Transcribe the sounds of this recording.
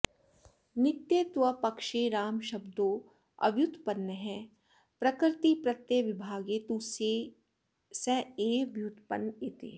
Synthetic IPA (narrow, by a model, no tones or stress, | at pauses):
nɪt̪jeːt̪ʋɐpɐkʃeɾaːmʃɐbd̪oː | ɐ̰ʋjut̪pɐnːəɦɛ̃ | pɾɐkɾɪt̪ipɾɐt̪jəʋɪbʱaːɡet̪use | sɛeːɐbjut̪pɐ̰net̪ḛː